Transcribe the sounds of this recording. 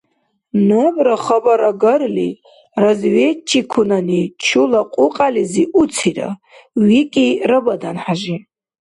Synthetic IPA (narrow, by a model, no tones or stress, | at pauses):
nobɾaχəbaɾaɡərli | razɥet͡ʃʰːikʷʰunanit͡ʃʰulaqʷʼuqʼaliziʔut͡sʰira̰ | wikʼirabadanħaʒi